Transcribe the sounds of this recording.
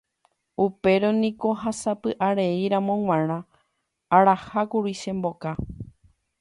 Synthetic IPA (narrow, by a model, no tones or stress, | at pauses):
upe̞ɾonĩko̞ɦasapɨʔaɾeiɾãmõ̞ŋ̃w̃ãɾ̃ã | aɾahakuɾiʃẽ̞mbo̞ka